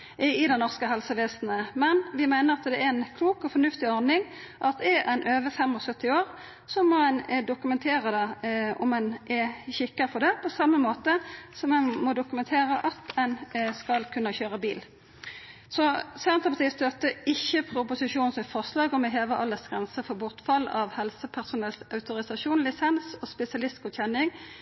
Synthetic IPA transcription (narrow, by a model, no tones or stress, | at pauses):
ɪd̪ɛnɔʁskəɦɛlsəʋeːsn̩əmɛnʋɪmæɪnəɾɑt̪d̪ɛæɛnkʰluːkɔfɔnʉft̪ɪɔʁnɪŋ | ʔɑt̪ɛɛʔæɪnʔøːʋəfɛmɔsœt̪ːɪoːʁ | sɔmːɔɛnd̪ʊkʉmɛnt̪ʰeːɾəd̪ɑɔmɛnʔɛçɪkːəfʰɔd̪ɛpʰɔsɑmːəmoːt̪əsɔmɛnmɔd̪ʊkʉmɛnt̪ʰeːɾəʔɑt̪ɛnskɑlkʰʉnɑçøːʁəbḭːl | sɔsɛnt̪ʁəpʰɑt̪iːst̪œt̪ːəɪçːəpʰɾʊpʊsɪʂuːnsfɔʁslɑːɡɔmɛɦeːʋəʔɑlːəsɡ̥ɾʁɛnsəfɔbʊʁt̪fɑlɑʋhɛlsəpʰæʁsʊnɛlsɑʉt̪ʊɾɪsɑʂuːnlɪsɛnsɔspɛsɪɑlɪst̪kʊçɛnːɪŋ